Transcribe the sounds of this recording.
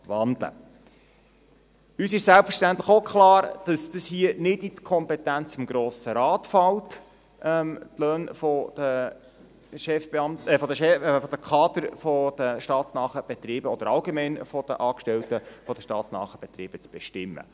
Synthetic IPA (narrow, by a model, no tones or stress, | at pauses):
vɑnd̪lə̰ | yːsɪʃsælpfəɾʃtænt̪ləχokʰlɑːɾd̥ɑsd̥əshiənɪditkʰɔmpɛtænt͡sɪmɡ̥ɾoːsəɾɑːtfɑlt | ʔɛmt̪lœːnfɔd̥ə | ʃɛfbeɑmtfɔdəʃɛfɔd̥̪əkʰɑːd̪əɾfɔd̥əʃtɑːt̪snɑːχəb̥ɛt̪ɾiːb̥əɔd̥̪əɾɑlɡemɛɪnfɔd̥ə̰ʔɑːkʃtɛltəfɔd̥̪əʃtɑ̰ːt̪snɑ̰ːχəb̥ɛt̪ɾiːb̥ət͡sb̥ɛʃtɪmːə̰